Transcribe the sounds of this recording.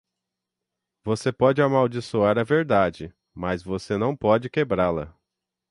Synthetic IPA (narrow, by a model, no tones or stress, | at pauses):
vosepɔd͡ʒɪamawd͡ʒisoaɾɐveɾd̪ad͡ʒɪ | mɐzvosenɐ̃w̃pɔd͡ʒɪkebɾalɐ̰